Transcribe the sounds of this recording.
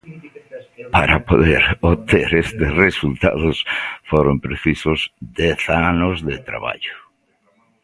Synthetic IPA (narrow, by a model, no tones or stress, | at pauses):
paɾapoðeɾot̪eɾest̪ɪsresult̪a̰ðʊsfoɾompɾeθisozd̪ɛθanozðet̪ɾa̰βa̰ʎʊ